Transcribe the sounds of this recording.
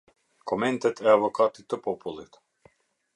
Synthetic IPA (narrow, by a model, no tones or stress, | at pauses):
kɔmɛnt̪ɛt̪ʰɛavɔkat̪it̪ːəpɔpulˠit̪